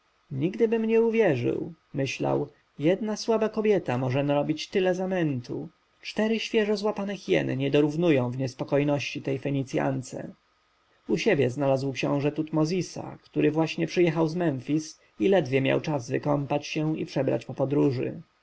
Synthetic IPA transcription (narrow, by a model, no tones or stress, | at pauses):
ɲiɡd̪ɘbɘmɲɛuvʲjɛʐɘ̰w | mɘɕla̰w | jɛd̪naswabakɔbʲjɛt̪amɔʐɛnaɾɔbʲit͡ɕt̪ɘlɛzamɛnt̪ʰṵ | t͡ʂt̪ɛɾɘɕfʲjɛʐɔzwapanɛxjɛ̰nɲɛd̪ɔɾuvnujɔ̃w̃vɲɛspɔkɔjnɔɕt͡ɕit̪ɛjfɛɲit̪sʲja̰nt̪sɛ̰ | uɕɛbʲjɛznalazwkɕɔ̰̃w̃ʐɛt̪ut̪mɔzʲisa̰kt̪uɾɘvwaɕɲɛpʂɘjɛxawzmɛnfʲis | ilɛd̪vʲjɛmʲja̰wt͡ʂazvɘkɔmpat͡ɕɕɛipʂɛbɾa̰t͡ɕpɔpɔd̪ɾuʐɘ̰